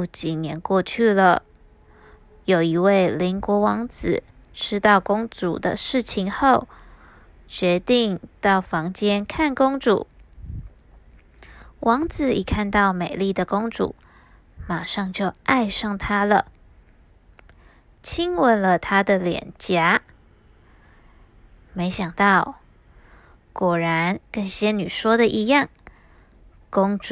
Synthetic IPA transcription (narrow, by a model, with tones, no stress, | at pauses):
t͡ɕi˨˩njɛ˧˥nkwɔ˥˧t͡ɕʰy˥˩lə˨˩ | jo˨˩ʊi˧˥we˥˩ɪli˧˥nkwɔ˧˥wɑ˧˥ŋt͡sɹ̩˨˩ | ʈ͡ʂʰɻ̩˥t̪ɑ˥˩ʊkʊ˥ŋt͡sṵ˨˩d̪ə̰˧˦ʂɻ̩˥˩t͡ɕʰi˧˥ŋxo˥˩ʊ | t͡ɕɥɛ˧˥t̪i˥˧ŋt̪ɑ˥˩ʊfɑ˧˥ŋt͡ɕjɛ˥nkʰa˥˩nkʊ˥ŋt͡sṵ˨˩˦ | wʔɑ˧˥ŋt͡sɹ̩˨˩i˨˩kʰa˥˧nt̪ɑ˥˩ʊme˨˩ɪli˥˩d̪ə˩kʊ˥ŋʈ͡ʂṵ˨˩˦ | ma˨˩ʂɑ˥˧ŋt͡ɕjo˥˧ʊʔa˥˧ɪʂɑ˥˩ŋt̪ʰa˥lə˨ | t͡ɕʰi˥ŋwə˧˥nlə˧t̪ʰa˥d̪ə˨ljɛ̰˨˩nt͡ɕja˥ | me˧˥ɪɕjɑ˨˩ŋt̪ɑ˥˩ʊ | kwɔ˨˩ɻa˧˥nkə˥˩nɕjɛ˥ny˨˩ʂwɔ˥d̪ə˨ʔi˧˥jɑ˥˩ŋ | kʊ˥ŋʈ͡ʂ